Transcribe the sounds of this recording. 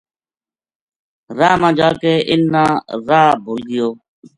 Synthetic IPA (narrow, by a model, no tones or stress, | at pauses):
ɾaːmãːd͡ʒaːkeːʔɪnːãːɾaːbʱoːlɡɪjoː